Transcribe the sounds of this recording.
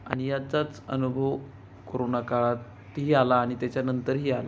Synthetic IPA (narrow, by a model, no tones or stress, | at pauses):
a̰ɽ̃ijat͡sat͡sə̰nubʱəʋ | koɾonakaɭat̪ | ɦiːalaːɽ̃it̪jat͡ɕjanənt̪əɾɦiːala